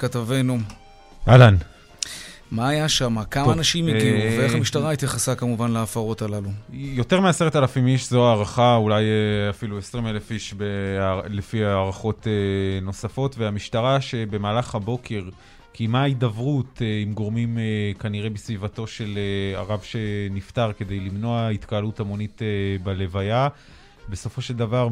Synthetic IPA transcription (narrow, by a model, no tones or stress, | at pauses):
kat̪ave̞nu | ʔalan | maːjaʃamakamaːnaʃimjeɡiuveeamiʃtaʁait̪jaχasakamuvanleaːfaʁo̞talalujo̞te̞ʁmease̞ʁetalafimiʃzoaːʁaχaulajeafiluesʁimele̞fiʃbelefiaːʁaχo̞teno̞safo̞tveamiʃtaʁaʃe̞bemaːlaχhabo̞kʰe̞ʁ | kimaid̪avʁutimɡo̞ʁmimekaniʁe̞besvivato̞ʃe̞lea̰ʁavʃe̞niftaʁke̞d̪e̞jlimno̞ait̪kaːlutamo̞nitebale̞vaja | be̞so̞fo̞ʃeld̪avaʁ